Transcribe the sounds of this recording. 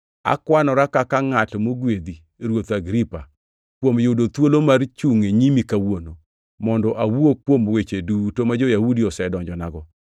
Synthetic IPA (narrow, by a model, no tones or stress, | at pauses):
a̰kwanɔɾakakaŋatmoɡwed̪i | ɾwot̪aɡɾipa | kwomjʊdot̪wolomart͡ʃuŋeɲimikawono | mɔndɔʔawuokwomwet͡ʃedutomad͡ʒojahudiɔsɛdɔɲd͡ʒɔnaɡɔ